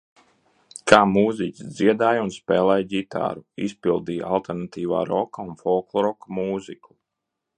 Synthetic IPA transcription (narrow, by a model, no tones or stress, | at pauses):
kʰaːmuːzikʲisd̪ziɛd̪aːjunspɛːlˠɛjɡʲit̪a̰ːɾuispilˠd̪iːjalˠt̪ɛɾnat̪iːva̰ːɾɔkaunfɔlklˠɔɾɔkamuːziku